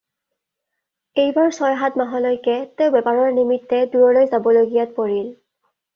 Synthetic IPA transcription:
ejbaɹsɔjɦatmaɦɔlojkɛteʊbɛpaɹɔɹnimitːɛduɹɔlojzabɔloɡijat̚poɹil

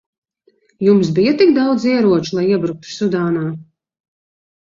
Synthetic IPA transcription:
jums̬bijat̪ikd̪awd̪ziɛɾuɔt͡ʃulˠajiɛbɾuk̚t̪u̥sud̪aːnaː

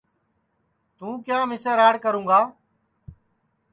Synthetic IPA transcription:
t̪ũːkjãːmɪsəɾaːɽkəɾũːɡaː

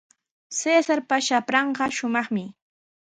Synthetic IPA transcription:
seːsaɾpaʃapɾɑɴɢɑʃʊmɑχmɪ

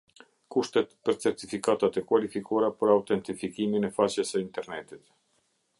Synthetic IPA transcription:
kuʃt̪ɛt̪pəɾt͡sɛɾt̪ifikat̪at̪ɛkwalifikɔɾapəɾawt̪ɛnt̪ifikiminɛfat͡ɕɛsəint̪ɛɾnɛt̪it̪

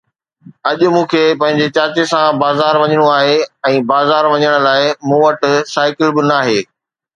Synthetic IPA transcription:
ɐʄʊ̆mũːkʰeːpɐ̃ɦɪ̃ɲ̆d͡ʑet͡ɕaːt͡ɕesãbaːzaːɾʋɐɲəɽ̃oaːɦeɛ̃ːbaːzaːɾʋɐɲəɽ̃ʊ̆laːɪmũːʋɐʈʊ̆saːɪkɪlbɪnaːɦeː

